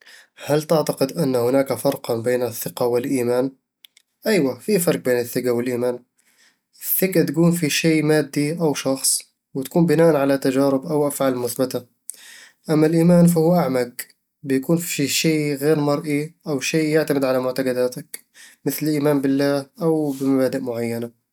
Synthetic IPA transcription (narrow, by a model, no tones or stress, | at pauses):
halt̪ɪʕt̪aqɪd̪ʔanːhʊnaːkafɑɾˤqɑbeːnɪθːɪqɑwɪlʔiːmaːn | ʔajwafifɑɾˤq̚beːnɪθːɪɡawɪlʔiːmaːn | ɪθːɪɡat̪akuːnfiʃeːmaːd̪ːiʔawʃɑxsˤ | wɪt̪ḁkuːmbɪnaːʔanʕalat̪ad͡ʒaːɾɪbʔawʔafʕaːlmʊθbɪt̪a | ʔamːalʔiːmaːnfahuːʔaʕmaɡ | bɪjakuːnfi̥ʃeːɣeːɾmɑɾˤʔiʔawʃeːjɪʕt̪amɪd̪ʕalamʊʕt̪aɡad̪aːt̪ak | mɪθlɪlʔiːmaːnbɪlːaːhʔawbɪmabaːd̪ɪʔmʊʕajːana